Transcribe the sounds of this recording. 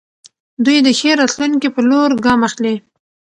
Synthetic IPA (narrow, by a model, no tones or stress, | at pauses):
d̪ujd̪əxeɾɑt̪luŋkipəloɾɡɑmaxli